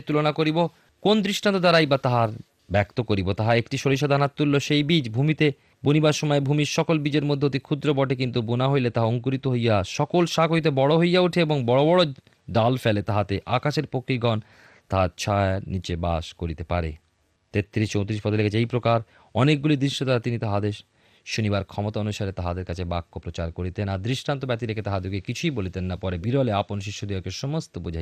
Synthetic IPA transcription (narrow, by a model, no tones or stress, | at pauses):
t̪ulonakoɾibo | kond̪ɾiʃʈant̪od̪aɾajbat̪aɦaɾ | bɛkt̪okoɾibot̪aɦaekʈiʃoɾiʃad̪ʱanat̪ːulːoʃejbid͡ʑbʱumit̪e | bonibaʃɔmɔebʱumiɾʃɔkolbid͡ʑeɾmod̪ʱːeot̪ikʰud̪ɾobɔʈek̬int̪ubonaɦojlet̪aɦaoŋkoɾit̪oɦojaʃɔkolʃakojt̪̬ebɔɽoɦojːauʈʰeeboŋbɔɽobɔɽo | ɖalfelet̪aɦat̪eʔakaʃeɾpokɾiɡʱɔn | t̪aɦat͡ɕʰanit͡ɕebaʃkoɾit̪epaɾḛ | t̪et̪ːɾiʃt͡ɕõw̃t̪iɾiʃpɔd̪olekat͡ɕʰejpɾokaɾ | ɔnek̚ɡulid̪ɾiʃːot̪aɾat̪init̪aɦad̪eɾ | ʃonibaɾkʰɔmot̪aonuʃaɾet̪aɦad̪eɾkat͡ɕʰebakːopɾot͡ɕaɾkoɾit̪enad̪ɾiʃʈant̪obɛt̪iɾekʰet̪aɦad͡ʑuɡekit͡ɕʰuijbolit̪enːapɔɾebiɾoleaponʃ̬iʃːod̪iɦɔkeʃɔmost̪obod͡ʑʱaj